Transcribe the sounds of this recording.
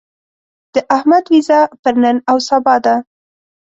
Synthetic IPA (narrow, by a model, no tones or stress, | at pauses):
d̪̥əʔahmad̪wizɑpəɾnənawsabɑd̪a